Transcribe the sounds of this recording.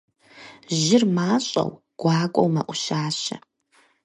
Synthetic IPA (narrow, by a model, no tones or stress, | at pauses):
ʒɪrmaːɕʼɐ̰w | ɡ̥ʷaːkʷʼowmɐʔʷʊʃaːɕɐ̰